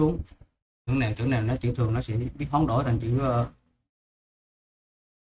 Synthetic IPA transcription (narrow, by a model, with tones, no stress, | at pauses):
u˨˦əŋ | ɲɨ̰˧˥əŋnaː˨˩ŋt͡ɕɨ̰˧˩ənaː˨˩wnɔ˨˦t͡ɕḭ˧˩t̪ʰɨ˨˩əŋnɔ˨˦sɛ̰˧˥ɓi˦˥t̚hwɔ˨˦nɗo˧˩t̪ʰa˨˩ŋt͡ɕḭ˧˩˦ɨ˨˧˦ʔəː˧˩